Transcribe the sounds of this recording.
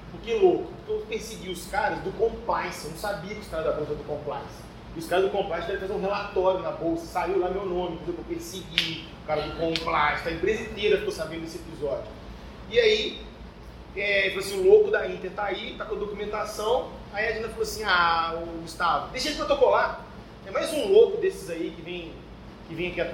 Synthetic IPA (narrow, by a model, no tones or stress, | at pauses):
pʊɾkelokʊʊkepeɾsɪɡiʊskaɾɐzd̪ʊkõplajsɪewñw̃sabiɐkʲɪʊskaɾɐzd̪abowsɐɛ̃d̪ʊkõpla̰jsɪ̥ | ɪʊskaɾɐzd̪ʊkõplajsd̪ɛvɐtfɾazẽũɦelat̪ɔɾjʊnɐbowsɐsaiwlamewnõmɪpozẽpɾɐpeɾsɪɡi | ʊkaɾɐd̪ʊkõplajst̪ɐẽpɾezĩnt̪ejɾɐkt̪osabẽd̪ʊdesɪepizɔd͡ʒʊ | iai | ɛfaloasĩʊlokʊd̪ɐĩt̪eɾt̪ait̪akõd̪okumẽnt̪asɐ̃w̃ | aiaʒẽnɐfaloasĩaʊɡust̪avʊd̪ejʃed͡ʒɪpɾot̪okola | t̪ẽɛ̃majzũlokʊd̪esɪzaikɪvẽj̃ | kɪvẽj̃ɐkiɐ